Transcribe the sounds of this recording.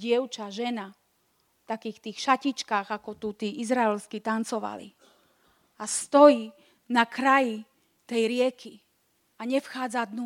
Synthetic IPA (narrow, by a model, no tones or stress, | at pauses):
ɪɛʊt͡ʃaʒɛna | ft̪akiːxt̪iːxʃacit͡ʃkaːɣakɔt̪ut̪iːʔizɾaɛlskit̪ant͡sɔʋa̰lḭ | ast̪ɔjiː | nakɾaji | t̪ɛjɾɪɛkʰi | aɲɛfxaːd͡zad̪nu